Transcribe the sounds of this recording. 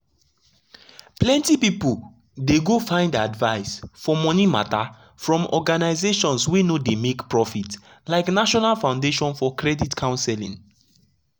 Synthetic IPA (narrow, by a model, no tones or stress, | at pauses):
plɛ̃ntipipul | deɡofãɪ̃ndadvaɪsfɔmɔnima̰ta | fɹɔ̃mɔ̰ɡanaɪzeʃɔ̃nswenodemekpɹɔfit | laɪknaʃɔnalfãʊ̃ndeʃɔ̃nfɔkɹɛditkʰãʊ̃nsɛlḭ̃ŋ